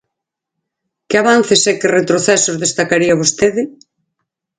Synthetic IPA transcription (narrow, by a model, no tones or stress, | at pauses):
kɪaβan̟θesɛkɪret̪ɾoθɛsozðest̪akaɾiɐβost̪eðɪ